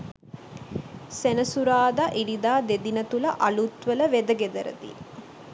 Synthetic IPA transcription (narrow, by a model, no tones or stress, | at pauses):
senɐsuɾaːd̪aʔiɖid̪aːd̪ed̪inɐt̪ulɐʔɐlut̪ʋəlɐʋed̪ɐɡed̪ɐɾə̰d̪ḭ